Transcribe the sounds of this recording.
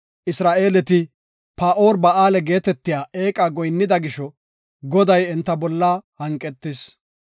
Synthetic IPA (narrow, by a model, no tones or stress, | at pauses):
ʔɪsɾaːʔeːlɛt̪ɪ | paːʔo̞ːɾbɐʔaːlɛɡe̞ːt̪ɛt̪ːɪjaːe̞ːkʼaːɡɔjnːɪd̪ɐɡɪʃɔ | ɡɔd̪ɐjɛnt̪ːɐbɔlːaːhɐŋkʼːɛt̪ːɪs